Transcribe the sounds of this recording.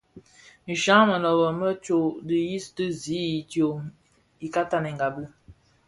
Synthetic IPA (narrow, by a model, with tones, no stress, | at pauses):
n̩˨ʃa˦mə˨nɔ˨bə˨mə˦t͡ʃo˦˨di˨ji˦stɨ˦zi˨˦i˨tjo˨ | i˨ka˦ta˦nɛ˨ŋɡa˨bɨ˦